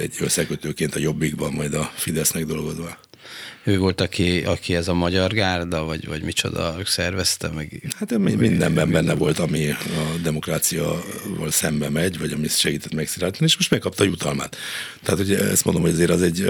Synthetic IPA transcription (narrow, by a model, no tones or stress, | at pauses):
ɛ̰ɟøsːɛkøt̪øːkeːnt̪ɒjo̞bːiɡbɒmːɒjd̪ɒfid̪ɛsnɛɡ̚d̪o̞lɡo̞zʋɒ | øːvo̞lt̪ɒkiɒkiɛzɒmɒɟɒrɡaːrd̪ɒvɒɟvɒɟmit͡ʃo̞̰d̪ɒ̰sɛrvɛst̪ɛmɛɡhat̪mimind̪ɛ̰mbɛmbɛnːɛvo̞lt̪ɒmiɒd̪ɛmo̞kraːt̪sijɒ̰vɒ̰lsɛmbɛmɛɟvɒɟɒmiʃɛɡiːt̪ɛt̪mɛksiɾaːlt̪ɒnieːʃmo̞ʃt̪mɛkːɒp̚t̪ɒːjut̪ɒlma̰ːt̪ː | ɛɦat̪hoɟɛ̰st̪mond̪o̞mho̞ɟɒzeːɾɒzɛɟ